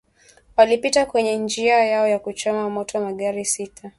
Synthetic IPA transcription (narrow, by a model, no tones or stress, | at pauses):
walipitakwɛɲɛnd͡ʒiajaɔjakut͡ʃɔmamɔtɔmaɠaɾisitʰa